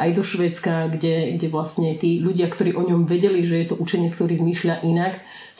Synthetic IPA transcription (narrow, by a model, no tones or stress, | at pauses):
ʔajd̪ɔʃʋɛːt͡skaɡɟɛɡɟɛʋlasɲɛt̪iːʎuɟɪakt̪ɔɾiːʔɔɲɔmʋɛɟɛliʒɛjɛt̪ɔʔut͡ʃɛɲɪɛt͡skt̪ɔɾiːzmiːʃʎʲaʔinak